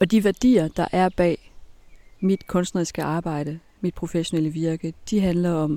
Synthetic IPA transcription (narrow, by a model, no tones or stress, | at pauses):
ɒ̽d̥iʋæɐd̥ḭːɐd̥ɑ̈ʔæɐb̥ɛ̰ː | mid̥kʰɔ̽nsd̥nʁɐisɡ̥əʔɑ̈ːb̥ɑ̈ɪ̰ɾ̥ə | mid̥̚pʰʁo̝feɕo̝neləʋiɐɡ̥əd̥iɦænlɐɒ̽m